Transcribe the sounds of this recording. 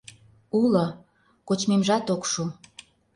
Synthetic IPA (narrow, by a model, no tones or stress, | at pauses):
ulo | kot͡ɕmemʒɑt̪okʃu